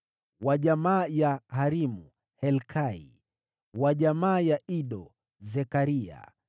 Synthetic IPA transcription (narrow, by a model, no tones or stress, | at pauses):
waʄamaːjahaɾimu | hɛlkʰaḭ | waʄamaːjaʔiɗɔ | zɛkaɾia̰